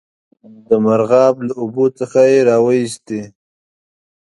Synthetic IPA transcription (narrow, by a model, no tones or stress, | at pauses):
d̪əmaɾɣɑblaʊbot͡səxajeɾɑwaist̪e